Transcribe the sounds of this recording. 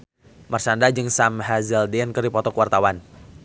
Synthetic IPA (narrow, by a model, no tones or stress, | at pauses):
marsandad͡ʒɨŋsamɦazəldinkɨrdipɔt̪ɔkuwart̪awan